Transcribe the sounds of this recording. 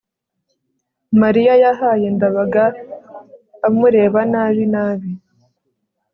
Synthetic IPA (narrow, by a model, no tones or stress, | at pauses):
maɾijajaɦaje̞ndaβaɡa | muɾe̞ːβanaβinaːβi